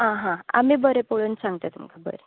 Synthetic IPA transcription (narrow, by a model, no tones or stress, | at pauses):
ɦãɦãa̰miːbəɾepoɭunsãŋɡt̪at̪umkʰabə̰ɾe